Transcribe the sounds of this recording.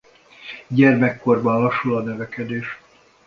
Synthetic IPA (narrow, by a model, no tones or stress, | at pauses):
ɟɛrmɛkːo̞rbɒnlɒʃːulɒnøvɛkɛd̪eːʃ